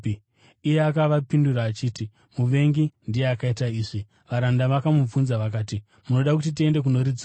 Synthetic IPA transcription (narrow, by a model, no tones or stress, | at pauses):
ije̞akaʋapinduɾaːt͡ʃiːti | muʋe̞ŋɡindije̞akaitaiːʐi | ʋaɾandaʋakamub͡vunzaʋak̬aːti | muno̞ɗakutit̬ie̞nde̞k̬uno̞ɾid͡z